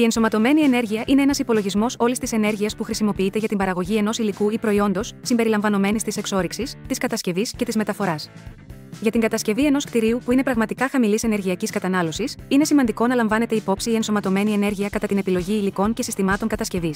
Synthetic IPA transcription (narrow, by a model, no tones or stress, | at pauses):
ie̞nso̞mɐt̪o̞me̞nie̞ne̞ɾʝiɐʔine̞enɐsipo̞lo̞ʝizmo̞so̞list̪ise̞ne̞ɾʝiɐspuxɾisimo̞piit̪e̞ʝɐt̪imbɐɾɐɣo̞ʝie̞no̞silikuipɾo̞io̞nd̪o̞sːimbe̞ɾilɐɱvɐno̞me̞nist̪ise̞kso̞ɾiksist̪iskɐt̪ɐsce̞visce̞t̪izme̞t̪ɐfo̞ɾɐs | ʝɐt̪iŋɡɐt̪ɐsce̞vie̞no̞skt̪iɾiupuine̞pɾɐɣmɐt̪ikɐxɐmilisene̞ɾʝiɐciskɐt̪ɐnɐlo̞sisine̞simɐnd̪iko̞nɐlɐɱvɐne̞t̪eipo̞psiːe̞nso̞mɐt̪o̞me̞nie̞ne̞ɾʝiɐkɐt̪ɐt̪ine̞pilo̞ʝiːliko̞ŋce̞sist̪imɐt̪o̞ŋkɐt̪ɐsce̞vis